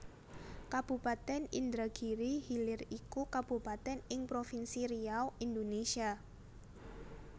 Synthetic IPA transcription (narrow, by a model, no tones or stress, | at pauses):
kab̥ṳpat̪ɛnḭnd̪ɾaɡ̥iɾihilɪrikukab̥upat̪ɛnɪŋpɾofinsiɾiawind̪onesia